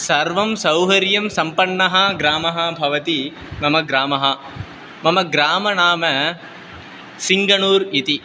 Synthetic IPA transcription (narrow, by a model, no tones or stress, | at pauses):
sɐɾʋɐmsɐwɦɐɾjɐmsɐmpɐɳːɐɦɐɡɾaːmɐɦɐbʱɐʋɐt̪i | mɐmɐɡɾaːmɐɦɐ | mɐmɐɡɾaːmɐnaːmɐ | siŋɡɐnuːɾit̪i